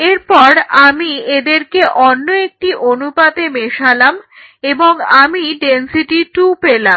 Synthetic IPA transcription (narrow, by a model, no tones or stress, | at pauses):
eɾpɔɾamied̪eɾkeʔɔnːoek̚ʈiʔonupat̪emeʃalam | eboŋamiɖensiʈiʈupelam